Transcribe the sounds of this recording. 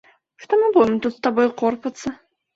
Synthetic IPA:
ʂt̪ɔmɨbuvʲɪmt̪ut̪st̪abɔjqɔrpɐt̪sːɐ

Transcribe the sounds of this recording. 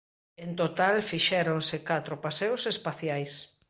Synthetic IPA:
ent̪ot̪alfiʃɛɾonsɪkat̪ɾopasewsespaθjajs

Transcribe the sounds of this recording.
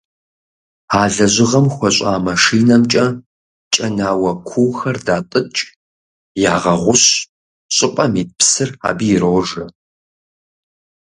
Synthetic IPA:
aːɮɐʑɪʁɐmxʷɔɕʼaːmɐʂiːnɐmt͡ʃʼɐ | t͡ʃʼɐnaːwɐkʷʰuwxɐrdaːtʼɨt͡ʃʼ | jaːʁɐʁʷʊɕ | ɕʼɪqʷʼɐmiːpʰsɨra̰ːbiːroːʐɐ

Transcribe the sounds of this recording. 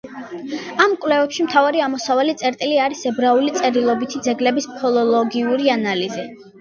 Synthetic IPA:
amkʼwlɛvɛpʃimt̪ʰavaɾiamɔsavalit̪sʼɛɾt̪ʼiliaɾisɛbɾaulit̪sʼɛɾilˠɔbit̪ʰid̪zɛɡlɛbispʰɔlˠɔlˠɔɡiuɾianalizi

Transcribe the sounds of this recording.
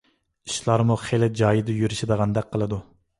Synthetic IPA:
i̥ʃlˠɑɾmuχelɪd͡ʒɑːjid̪ɨjyɾyʃed̪əʁɑnd̪ɛk̚ʲqʰːəlˠɨd̪u

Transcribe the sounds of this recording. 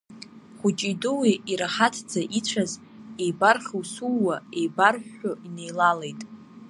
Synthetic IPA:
χʷʊt͡ʃʼidʊwiʔiɾaχatʰd͡zaʔit͡ɕʷʰaz | e̞jbarχʲiwsulːaejbarħᶣʊine̞jlale̞jtʼ

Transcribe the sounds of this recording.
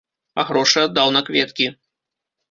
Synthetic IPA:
a̰ɣɾɔʂɨad̪ːawnɐkvʲɛt̪kʲi

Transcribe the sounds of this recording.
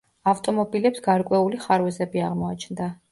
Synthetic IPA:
aft̪ʼɔmɔbilɛpsɡ̥aɾkʼwɛuliχaɾwɛzɛbiaʁmɔat͡ʃʰnd̪a

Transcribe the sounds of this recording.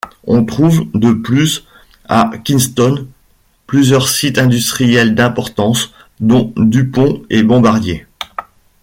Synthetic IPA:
ɔ̃t̪χuvd̪əplys | a̰kʲinst̪ɔn | plyzjœʁsit̪ɛ̃d̪yst̪χijɛld̪ɛ̃pɔʁt̪ɑ̃s | d̪ɔ̃d̪ypɔ̃ɛbɔ̃baʁd̪je

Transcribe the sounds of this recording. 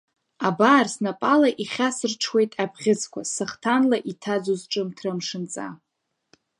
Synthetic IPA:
abaːrsnapʼalaʔiχʲasɨrʈ͡ʂʰwe̞jtʼabʰʁʲɪt͡sʰkʷʰasɨχtʰanlaʔitʰad͡zozʈ͡ʂʼɨmtʰrɨmʂɨnt͡sʼa̰

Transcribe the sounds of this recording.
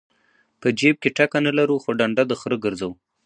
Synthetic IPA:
pəd͡ʒeb̚keʈakanalaɾuxoɖaɳɖad̪əxɾəɡəɾzaw

